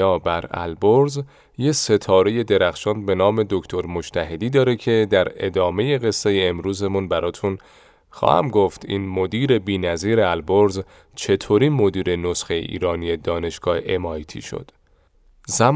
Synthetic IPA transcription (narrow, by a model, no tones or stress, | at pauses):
ɒːbæɾæ̰lboɾz | jese̞t̪ʰɒːɾe̞je̞d̪e̞ɾæxʃɒːnd̪be̞nɒːme̞d̪o̞cʰt̪ʰo̞ɾmo̞d͡ʒt̪ʰæɦe̞d̪iːd̪ɒːɾecʰe̞d̪æɾe̞̰d̪ɒːme̞je̞ɣe̞sːe̞jeːmɾuːzemunbæɾʔɒːt̪ʰun | xɒ̰ːhæ̰mɡoft̪ʰḭːnmo̞d̪iːɾe̞biːnæziːɾe̞ælboɾz | t͡ʃʰe̞t̪ʰoɾiːnmo̞d̪iːɾe̞no̞sxejḛʔḭːɾɒːnie̞d̪ɒːne̞ʃɡ̥ɒːheʔemɒːjt̪ʰḭːʃo̰d̪̥ | zæm